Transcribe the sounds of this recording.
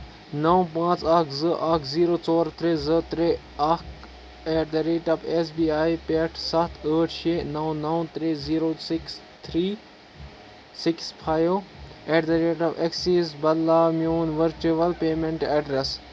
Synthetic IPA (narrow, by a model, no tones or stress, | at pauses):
nɐw̃pãːt͡saːkʰzɨʔaːkʰziːɾoːt͡sɔːɾt̪ʰɾezɨt̪ɾe | ak | eːʈd̪ɐɾeːʈɐbesbiːaːjpeːʈʰsɐt̪ʰəːʈʰʃeːnɐw̃nɐw̃t̪ɾeziːɾoːsɪks | t̪ʰɾiː | sɪkspʰaːjʋeːʈd̪ɐɾeːʈɐbeksiːsbɐllaːmijoːnʋəɾt͡ʃuʋɐlpeːmẽɳʈɛɖɾes